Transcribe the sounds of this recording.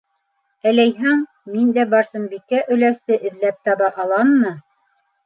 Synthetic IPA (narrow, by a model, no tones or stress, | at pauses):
ælæjɦæŋ | mind̪æbɑɾsɤmbikːæʔɵ̆læst̪ɘʔɘ̆ðlæp̚t̪ɑβɑʔɑlˠɑnːɤ